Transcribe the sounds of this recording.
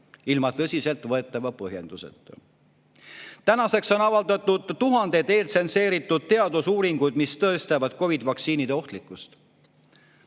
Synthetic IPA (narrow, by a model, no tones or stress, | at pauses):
ilmɑt̪ɤsʲise̞lt̪ˑvɤe̞t̪ːˑɑvɑpɤɦje̞̰nd̪̥usḛt̪ːˑ | t̪ænɑse̞kso̞nɑvɑld̪̥ɑt̪ːˑud̪̥t̪uɦɑnd̪̥e̞t̪e̞ːlt̪se̞nse̞ːɾit̪ːˑud̪̥̚t̪e̞ɑd̪̥usuːɾiŋɡ̥ujd̪̥mist̪ɤest̪evɑd̪̥ko̞vid̪vɑkt̪siːnid̪eo̞ht̪likːˑust̪